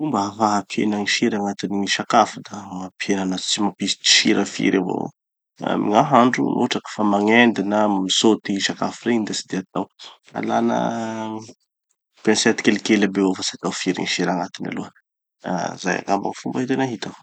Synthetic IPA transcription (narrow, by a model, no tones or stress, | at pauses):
fumbəafaɦapʰḛnəŋiʃiɾaŋat̪iniʃakafud̪amapʰienanat̪u̥t͡simapisi̥t̪i̥ʃiɾəfḭɾavo̰ | mḭŋaɦaɳɖ͡ʐṵnʔo̰ʈ͡ʂakə̥famaŋend̪inəmisot̪iʃakafireind̪asid̪eat̪aw | a̰la̰nə̰ | pensɛt̪ikelikelabeofasat̪awfiɾḭŋiʃiɾaŋat̪ina̰luə̰ | za̰ja̰ŋamba̰ŋfumbait̪enaɦit̪aw